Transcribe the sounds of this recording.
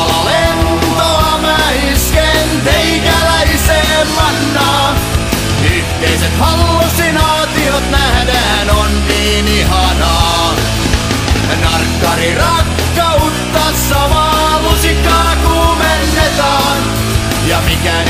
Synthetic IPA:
lent̪oɑmæ | iskent̪eikælæiseːmmɑnːɑː | y | kːeiset̪hɑlːosinɑːt̪iot̪næhdæhænonniːnihɑnɑː | nɑrkːɑɾirɑkːɑut̪ːɑsːɑʋɑː | lusikːɑːkuːmenːet̪ɑː | n | jɑmikæ

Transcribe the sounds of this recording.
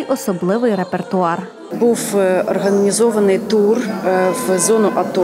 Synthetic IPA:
jʔɔsɔblˠɪʋɪjɾepert̪ʊɑr | buwɔrɦɐnʲizɔʋɐnɪjt̪urʋzɔnʊʔɐt̪ɔ

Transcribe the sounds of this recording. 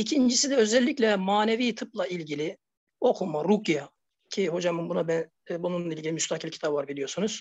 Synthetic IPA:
icʰind͡ʒisid̪ɛø̞zɛlʲːiclʲɛmaːneviːt̪ʰɯplˠailʲɟilʲi | o̞kʰumaɾukja | cʰiɦo̞d͡ʒamɯmbunabænː | bununlˠailʲɟilʲimyst̪ʰakʰilʲcʰi̥t̪ʰapvaɾbilʲijo̞ɾsunuz̥

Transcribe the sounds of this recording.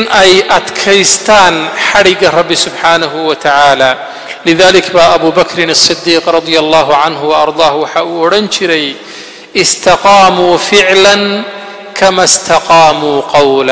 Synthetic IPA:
nʔɛjʔɐd̪kʰɛjst̪ʰaːnħɑɽɪɡɐrɑbːɪsʊbħaːnɐɦʊwɐt̪ʰaʕaːlaː | lɪðaːlɪkʰbaːʔɐβuːbɐkʰɾɪnɑsˤːɨd̪ːiːqrˤɑd̪ˤɪjɐlˤːɑːɦʊʕɑnɦʊwɐɑɾˤd̪ˤɑːhwɑħɑːuːɔɽɐnt͡ʃʰɪɾɛj | ʔɪst̪ʰɑqɑːmuːfɪʕlɐn | kʰɐmɐst̪ʰɑqɑːmuːqɑwlɐ

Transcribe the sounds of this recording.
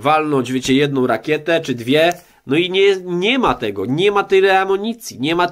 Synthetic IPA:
valnɔd͡ʑvʲjet͡ɕɛjɛd̪nɔ̃w̃ɾakʲjɛt̪ɛt͡ʂɘd̪vʲjɛ | nɔiɲɛɲɛmat̪ɛɡɔɲɛmat̪ɛjɾɛamɔɲit̪sʲjiɲɛma

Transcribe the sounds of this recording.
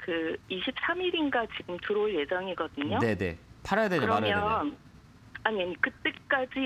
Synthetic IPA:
kɯiɕʰip̚s͈ʰamiɾinɡat͡ɕiɡɯmtuɾoɭje̞d͡ʑʌŋiɡʌdɯɲone̞ne̞̰tʰaɾʌjaded͡ʑoɾʌmaɾmjʌn | aɲiɲikɯt͈ek͈ad͡ʑi

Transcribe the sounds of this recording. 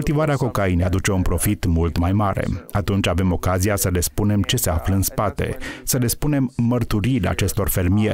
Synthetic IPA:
ult̪ivaɾeako̞kajnead̪ut͡ʃe̞unpɾo̞fit̪mult̪majmaɾe̞̰at̪unt͡ʃʲave̞mo̞kazijasəle̞spune̞mt͡ʃe̞se̞afləɨnspat̪e̞̰səle̞spune̞mːərt̪uɾiɾea̰t͡ʃe̞st̪o̞rfe̞rmije

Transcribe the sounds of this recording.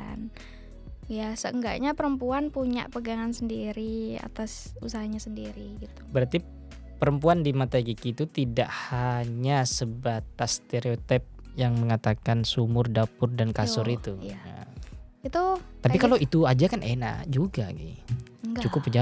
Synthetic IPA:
n | jasəəŋɡa̰ʔɲapəɾəmpuanpuɲa̰ʔpəɡaŋansəndiɾia̰t̪as | usaɦaɲasəndiɾiɡit̪u̥bəɾart̪i | pəɾəmpuandimat̪aɡikit̪ut̪ida̰ʔhaɲasəbat̪ast̪eɾeot̪ɛp̚jaŋməŋat̪akansumʊrdapʊrdankasʊɾit̪uja̰ | it̪ut̪apikaloit̪uad͡ʒakanʔena̰d͡ʒuɡaɡḭ | ŋt͡ʃukʊpːəd͡ʒa

